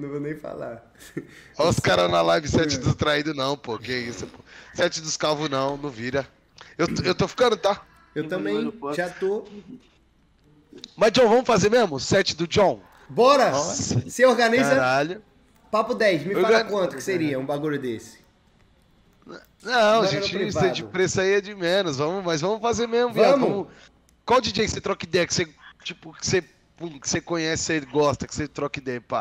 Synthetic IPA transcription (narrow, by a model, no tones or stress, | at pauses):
nɐ̃w̃vonẽj̃fa̰la̰ | aʊskaɾɐnalavɪsɛt͡ʃɪd̪ʊst̪ɾaid̪ʊnɐ̃w̃pohkeɛisposɛt͡ʃɪd̪ʊskawvʊnɐ̃w̃nɐ̃w̃viɾɐ | ewewt̪ofi̥kɐ̃nd̪ʊt̪a | ewt̪ɐ̃bẽj̃ʒat̪o | mɐzd͡ʒõw̃vɐ̃mʊfazeɾmezmʊsɛt͡ʃɪd̪ʊd͡ʒõw̃ | bɔɾɐsɪoɾɡɐnizɐɾaʎʊ | papʊd̪ɛjʃmɪewaɡɐkɐ̃t̪ʊkɪseɾiɐũbaɡuʎʊd̪esɪ̥ | nɐ̃w̃ɐʒẽt͡ʃɪẽd͡ʒɪpɾesaiɐd͡ʒɪmẽnʊzvɐ̃mʊmɐzvɐ̃mʊfazeɾmezmʊãmkoʊ̃mʊ | kwawd͡ʒid͡ʒiɐkɪ̥set̪ɾɔkid̪ɛjɐkɪ̥set͡ʃipʊkɪ̥se | ũkɪ̥sekõɲɛsɪ̥seɡɔst̪ɐkɪ̥set̪ɾɔkid̪ɛjpa̰